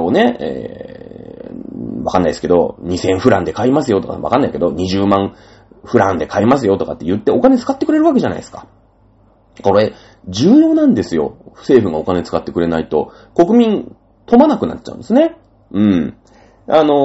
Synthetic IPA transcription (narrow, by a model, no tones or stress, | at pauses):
one̞ḛː | βakanːaiesɨ̥ke̞o̞̰ɲ̟isẽ̞ɰ̃ɸɯ̟ɾã̰nd̪e̞kaimasɨjo̞t̪oka̰βa̰kanːaike̞d̪o̞ɲ̟iʑɨːmãɰ̃ | ɸɯ̟ɾã̰nd̪e̞kaimasɨjo̞t̪okat̪ːe̞jɯ̟t̪ːe̞o̞kane̞t͡sɨ̥kat̪ːe̞kɯ̟ɾe̞ɾɯ̟βak̬e̞ʑana̰isɨ̥kḁ̰ | ko̞ɾe̞ | d͡ʑɨːjo̞ːnãnd̪e̞sɨjo̞̰̥se̞ːɸɯ̟ɡao̞kane̞t͡sɨ̥kat̪ːe̞kɯ̟ɾe̞nait̪o̞ | ko̞kɯ̟mʲĩn | t̪o̞manakɯ̟na̰tt͡ɕːa̰ɯ̰̃d̪e̞sɨne̞ | ɯ̟̃ɴ | ano̞